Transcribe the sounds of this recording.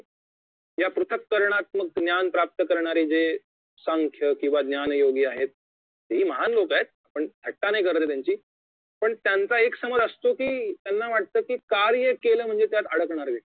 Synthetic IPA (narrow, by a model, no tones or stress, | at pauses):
japɾut̪ʰəkːəɾɳ̃at̪̚məɡɡnjanpɾap̚t̪əkəɾɳaɾiːd͡ze | səŋkʰjəkĩw̃ʋaɡ̪njanjoɡiːaɦet̪̚ː | eɦiːməɦanlokaɦet̪̚apəɳd̪ʰʱəʈːanaɦikəɾt̪et̪̬jaɲt͡ɕiː | pəɳt̪jant͡saeksəməd͡zəst̪okiːt̪janːaʋaʈ̚t̪əːkiːkaɾjəkeləːm̤əɳd͡zet̪jat̪əɽəkɳaɾle